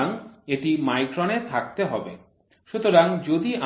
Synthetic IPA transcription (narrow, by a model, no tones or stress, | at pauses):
aŋeʈimajkɾonet̪ʰak̚t̪eɦɔbe | ʃut̪oɾaŋd͡ʑod̪iʔa